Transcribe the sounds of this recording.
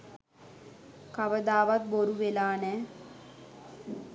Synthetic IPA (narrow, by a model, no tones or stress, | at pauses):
kaʋəd̪aːʋat̪̚boɾuʋelaːnɛː